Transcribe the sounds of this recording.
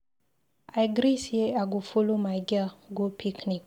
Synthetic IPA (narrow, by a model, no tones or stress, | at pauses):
ajɡɾiseaɡufulumaɡaɡopʰiknik